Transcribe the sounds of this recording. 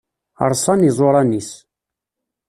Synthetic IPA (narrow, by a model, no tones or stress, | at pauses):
ə̰ɾˤsˤɑnizˤoɾˤɑnis